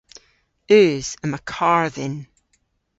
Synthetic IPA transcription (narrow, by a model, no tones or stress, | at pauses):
ʉːz̥əməkʰaɹðɪn